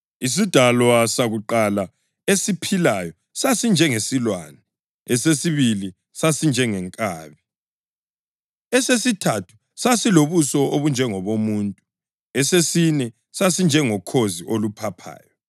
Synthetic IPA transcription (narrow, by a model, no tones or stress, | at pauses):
is̬id̥ʱalɔasaɣuǃala | esipʰilajɔ | sasind͡ʒʱɛŋesilwa̰nɛ | ɛsesiβili | sasind͡ʒʱɛŋɛŋkʼaːβi | ɛsesitʰatʰu̥ | sasiloβusɔoβund͡ʒʱɛŋɔβomuːntʼu | ɛsesinɛ | sasind͡ʒʱɛŋɔkʰoziʔolupʰapʰa̰ːjɔ